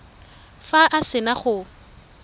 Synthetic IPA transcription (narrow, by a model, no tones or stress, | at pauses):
faʔasɪnaχʊ